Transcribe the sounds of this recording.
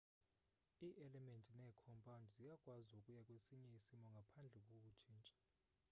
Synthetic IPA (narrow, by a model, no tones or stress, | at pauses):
iːʔɛlɛmentʼinɛːkʰɔmpʼaundʱzijakʼwazukʼujakʼwesiɲɛisimɔŋɡʱapʰand͡ɮʱɛkʼok̬ʼut͡ʃʰiːnt͡ʃʼḁ